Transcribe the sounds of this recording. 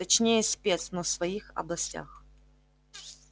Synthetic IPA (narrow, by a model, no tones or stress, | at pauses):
ɐt͡ɕnʲejəsʲpʲet̪snɔsvɐixɐ̰blˠɐsʲtʲa̰x